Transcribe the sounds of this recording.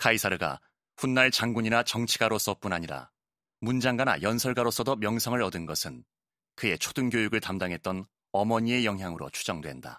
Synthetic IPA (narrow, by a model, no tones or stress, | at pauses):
kʰaisʰaɾɯɡa̰ | ɸunːaɭt͡ɕaŋɡuɲinat͡ɕʌŋt͡ɕʰiɡaɾos͈ʌp͈unaɲiɾa̰ | mund͡ʑaŋɡana̰jʌnsʰʌɭɡaɾos͈ʌdʌmjʌŋsʰʌŋɯɾʌdɯnɡʌsʰɯn | kɯe̞t͡ɕʰo̥dɯnɡjojuɡɯɭtamdaŋɦe̞t̚t͈ʌn | ʌmʌɲie̞jʌŋɦjaŋɯɾo̰t͡ɕʰu̥d͡ʑʌŋdwe̞nda̰